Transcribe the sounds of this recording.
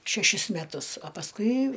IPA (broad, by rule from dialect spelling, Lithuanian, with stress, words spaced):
ʃʲɛˈʃʲɪs mʲɛˈtʊs ɐ pɐsˈkʊɪ